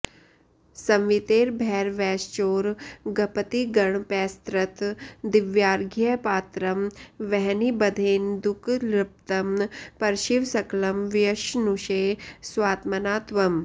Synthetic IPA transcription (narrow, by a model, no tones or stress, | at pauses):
sɐmʋit̪eːɾbʱɛːɾʋɛːst͡ʃoːɾɡɐpət̪iɡɐɳpɛːst̪ɾɐt̪d̪ɪʋjaːɾɡʱjɐpaːt̪ɾɐmʋɛɦnibɐd̪ʱeːnd̪ukʰlɾɪp̚t̪ɐmpɐɾʃiʋsɐklɐmʋjɐʃnuʃeːsʋaːt̪mɐnaːt̪ʋɐm